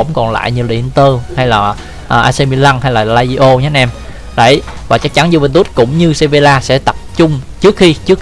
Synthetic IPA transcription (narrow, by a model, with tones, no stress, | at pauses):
ə̰˧˥wŋ͡mkɔ˨˩nla̰ː˧˨jɲɨ˧˩lḭ˧˨ə˨˧nt̪ə˧ha˧jlaː˨˩ | ʔːʔaː˧se˧mi˧la˧ŋnha˧jlaː˨˩laː˧zi˧ʔo˧ɲː˨˦˥nʔɛ˧m | ɗə̰˧˩j | vaː˨˩t͡ɕa˦˥k̚t͡ɕa˧˦nzu˧və˧nt̪̬u˦˥t̚kʊ̰˧˥ŋ͡mɲɨ˧se˧ve˧laː˧sɛ̰˧˥t̪ə˨˩p̚t͡ɕʊ˧ŋ͡mt͡ɕɨ˦˥ək̚xi˧t͡ɕɨ˦˥ək̚